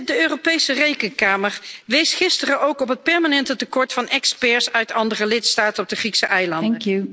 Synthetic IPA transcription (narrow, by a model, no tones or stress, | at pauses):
dəøːropejsərejkənkaːməɹʋejsχɪstərəʔowkɔpɦət̚pɛɹmaːnɛntətəkɔɹtfɑnʔɛkspɛɹsœɥtɑndərəlɪtstaːtənɔb̚dəχriksəʔɛjlɑnŋkju